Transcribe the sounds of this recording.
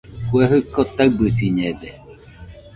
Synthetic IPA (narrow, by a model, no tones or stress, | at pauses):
kueɦɯkːot̪aɨbɨsiɲed̪e